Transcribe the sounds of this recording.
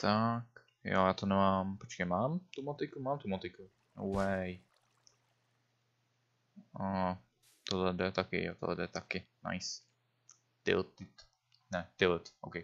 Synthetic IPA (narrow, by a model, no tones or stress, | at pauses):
t̪ʰak | jo̰jaːt̪onɛmaːmpot͡ʃkɛmaːmt̪umot̪ɪkumaːmt̪umat̪ɪku | owwɛj | a | t̪ollɛd̪ɛt̪akɪ̰jo̰t̪o̰dlɛ̰d̪ɛt̪akɪna̰js | t̪ɪ̰lt̪ɪt̪ | nɛt̪ɪlt̪ʔo̰wkɛj